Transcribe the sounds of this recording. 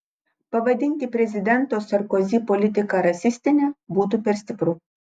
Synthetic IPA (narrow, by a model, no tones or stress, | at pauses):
pɐʋɐd̪ʲɪnʲt̪ʲɪpʲɾʲɛzʲɪd̪ʲɛnt̪oːsɐɾkɔzʲiːpɔlʲɪt̪ʲɪkɑɾɐsʲɪsʲt̪ʲɪnʲɛbuːt̪̬upʲɛɾsʲt̪ʲɪpɾuː